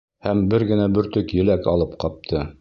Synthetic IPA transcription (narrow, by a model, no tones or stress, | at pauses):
hæmbɘɾɡɘ̆næbɵ̆ɾt̪ɵkjɘ̆lækɑlˠɤpqɒp̚t̪ʰɤ